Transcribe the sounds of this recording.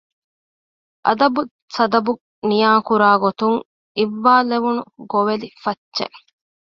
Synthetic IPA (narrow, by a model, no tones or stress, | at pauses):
ʔɐ̰d̪ɐbu | sɐd̪ɐbu | nijaːkuɾaːɡot̪uŋ | iʋːaːleʋunuɡoʋelifɐtːt͡ʃḛʔ